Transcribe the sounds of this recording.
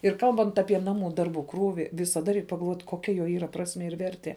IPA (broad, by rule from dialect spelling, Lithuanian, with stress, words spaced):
ɪr ˈkɐlˠbɐnt ˈɑːpʲiɛ ˈnɑːˌmuː ˈdɐrˌbuː ˈkruːʋʲɪ ʋʲɪsɐˈdɐ rʲɛɪk pɐɡɐlˠˈʋoːt koːˈkʲɛ joː iːˈrɐ ˈprɑːsʲmʲiɛ ɪr ˈʋʲɛrʲtʲiɛ